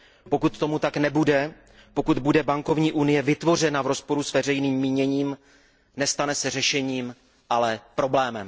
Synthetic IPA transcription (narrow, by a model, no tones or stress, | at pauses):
po̞kut̪ːo̞mut̪aknɛbudɛ | po̞kut̪budɛbaŋko̞vɲiːʔunɪjɛvɪt̪vo̞r̝ɛnavɾo̞spo̞ɾusvɛrɛjniːmːiːɲɛɲiːm | nɛst̪anɛsɛrɛʃɛɲiːm | ʔalɛpɾo̞blɛːmɛm